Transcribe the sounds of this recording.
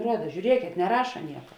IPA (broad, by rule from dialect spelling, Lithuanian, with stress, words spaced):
ˈruɔdɐ ʒʲuːˈrʲiɛkʲeːt nʲɛˈrɑːʃɐ ˈnʲiɛkɐ